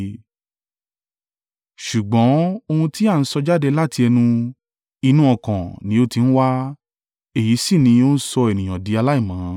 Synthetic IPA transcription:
ʃu˨ɡ͡bɔ̃˨˦o˧hũ˧ti˦a˦˨n̩˦sɔ˧d͡ʒa˦de˧la˦ti˧ɛ˧nũ˧ | i˧nũ˦ɔ˦˨kã˨nĩ˨˦o˧ti˧n̩˦wa˦ | e˦˨ji˨˦si˦˨nĩ˧o˦n̩˦sɔ˧e˨nĩ˨j̃ã˨di˨˦a˧la˦i˦˨mã˨˦

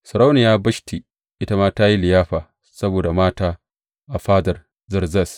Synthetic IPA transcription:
sɐ˨ɾa˦wnɪ˨jaː˦bɐ˦ʃtʰi˨ | ʔɪ˦ta˦maː˦taː˦ji˦lɪ˨jaː˦ɸaː˨ | sɐ˦boː˨da˨maː˦taː˦ | ʔa˨ɸaː˦dɐ˨r | zɐ˦rzɐ˦˨s

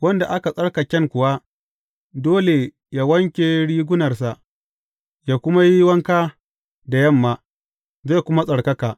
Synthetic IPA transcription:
wɐ˦nda˨ʔa˦ka˨sʼɐ˦ɽka˨kʲɛ˦ŋkʷʊ˨wa˦ | doː˦le˨ | ja˦wɐ˦ŋkʲe˨ɽiː˦ɡʷʊ˦nɐ˨rsa˨ʔ | jaː˦kʷʊ˦ma˦ji˦wɐ˦ŋkaː˦ | da˨jɐ˦˨mːaː˨ | ze˦˨kʷʊ˦ma˦sʼɐ˨ɽkɐ˦kaː˨

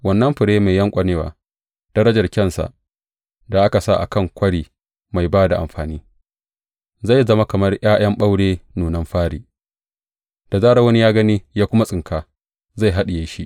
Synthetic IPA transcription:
wɐ˨nːɐ˦mɸɪ˨ɽeː˦ma˨jɐ˦ŋkʷʼɐ˨neː˦wa̰ː˨ | d̥ɐ˦ɾɐ˦d͡ʒɐ˨rkʲɐ˦˨nsa̰˨ʔ | da˨ʔa˦ka˨sa˦˨ʔa˨kɐ˦˨ŋkʷɐ˦ɽiː˨ | ma˨jbaː˦da˨ʔa̰˨mɸaː˨niː˦ | za˦˨jzɐ˦ma˦kɐ˨mɐ˦rj̰aː˦j̰ɐ˦mɓa˦wɽeː˦nuː˨nɐ˦mɸaː˦ɽiː˨ | d̥a˨zaː˦ɾa˦wɐ˦ni˦jaː˦ɡɐ˦niː˦jaː˦kʷʊ˦ma˦sʼɪ˨ŋkʰaː˨ | za˦˨jɦa˦ɗɪ˨jeː˦ʃi˦ʔ

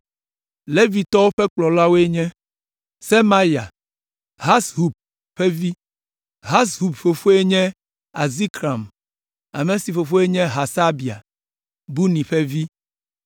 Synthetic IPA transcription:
le˦vi˨t̪ɔ˦wo˦ɸɛ˦k͡plɔ˨la˦wo˦e˦ɲɛ̃˦ | se˦ma˦ja˨ | ɦa˦sɦu˨b̚ | ɸɛ˦vi˦ | ɦa˦sɦu˨bfo˨fo˦e˦ɲɛ̃˦ | a˨zi˦kɾa˨m | a̰˨me˦si˨fo˨fo˦e˦ɲɛ̃˦ɦa˨sa˦bi˨a̰˨ | bu˦nĩ˨ɸɛ˦vi˦

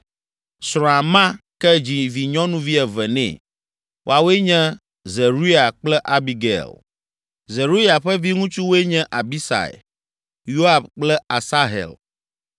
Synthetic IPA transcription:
sɾ̃ɔ̃˨a˨mã˦kɛ˦d͡ʑi˨vi˨ɲɔ̃˦nũ˦vi˦ɛ˨vɛ˨nɛ̰̃˨ | wʔo̰˦a˨wo˦e˦ɲɛ̃˦ | ze˨ɾu˦ja˨k͡plɛ˦ʔa˨bi˨ɡḛ˨l | ze˨ɾu˦ja˨ɸɛ˦vi˦ŋũ˦t͡ʃu˦wo˦e˦ɲɛ̃˦ʔa˨bi˦sa̰˨ɛ̰˨ | jo˦a˨bk͡plɛ˦a˨sa˦ɦɛ̰˨l

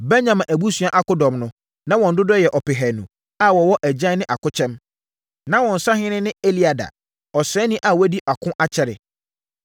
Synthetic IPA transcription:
bɛ˦ɲã˨mã˨ʔæ˨bu˦sɥã˦ʔa˦kʊ˦dɔ̃˨mnʊ̃˦ | nã˦wɔ̃˨n̩˨dʊ˦dɔ˦jɛ˨ʔɔ˨pɪ˨ɦæ˨nũ˨ | a˦˨wɔ˨wɔ˦ʔæ˨d͡ʑã˦nɪ̃˦ʔa˨kʊ˦t͡ɕʰɛ̃˦m | nã˦wɔ̃˨n̩˨sa˦hɪ̃˦nɪ̃˦nɪ̃˦e˦li˦a˨da̰˨ | ɔ˨sɛ˨˦nĩ˦ʔa˦˨wɔ˦di˦ʔa˨kʰʊ̃˦ʔa˦t͡ɕʰɛ˨ɾɪ̰˨

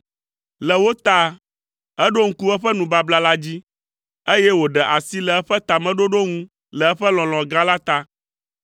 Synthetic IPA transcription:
lə˨wo˦t̪a˦ | ɛ˦ɖo˦ŋ̩˦ku˦ɛ˦ɸə˦nũ˨ba˦bla˦la˦d͡ʑi˦ | e˦jɛ˦wo˨ɖɛ˨ʔa˨si˦lə˨ɛ˦ɸə˦t̪a˨mɛ̃˦ɖo˦ɖo˦ŋũ˦ | lə˨ɛ˦ɸə˦lɔ̃˨lɔ̃˨ɡa˦la˦t̪a˦

